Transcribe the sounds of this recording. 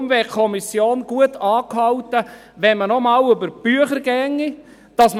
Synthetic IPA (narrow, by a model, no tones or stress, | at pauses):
mvɛkʰɔmisjoːnɡ̥uətʰɑːkhɑwtə | ʋɛnmənɔmɑːwʏbəɾb̥yəχəɾɡɛŋːi | d̥ɑsm